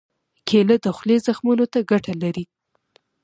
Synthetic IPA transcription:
kʰeləd̪əxlezaxmunot̪aɡaʈalaɾi

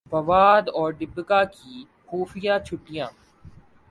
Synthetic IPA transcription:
bɐʋaːd̪ɔːɾɖɪbɡaːkiː | xuːfɪjaːt͡ʃʰʊʈːɪjãː

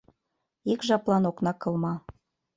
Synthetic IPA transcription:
ikʒɑplɑnoknɑkɤ̆lmɑ

